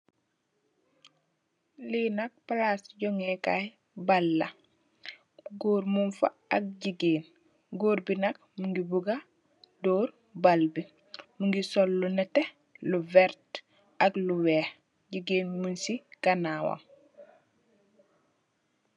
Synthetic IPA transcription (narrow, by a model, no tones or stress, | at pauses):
linak̚palasɟoŋeka̰j | balːa | ɡoːɾmunfa̰ | ak̚ɟiɡeːn | ɡoːɾbinak̚muŋɡibuɡa | doːɾ | balbi | muŋɡisolːɔnete | luvɛɾt | akluweːh | ɟiɡeːnmunsikanaːwa̰ŋ